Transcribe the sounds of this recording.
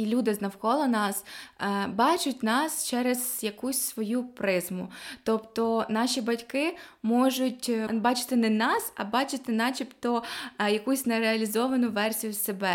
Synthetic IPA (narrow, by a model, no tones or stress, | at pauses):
ilʲud̪ɪznɐwkɔlˠɔnɑs | bɑt͡ʃʊtʲnɑst͡ʃɛɾezjɐkusʲsʋɔjupɾɪzmʊt̪ɔpt̪ɔnɑʃʲibɐtʲkɪmɔʒʊtʲbɑt͡ʃɪ̥t̪ɪnɛnɑsɐbɑt͡ʃɪt̪ɪnɑt͡ʃʲipt̪ɔjɐkusʲnɛɾeɐlʲizɔʋɐnʊʋɛrsʲijʊsebɛ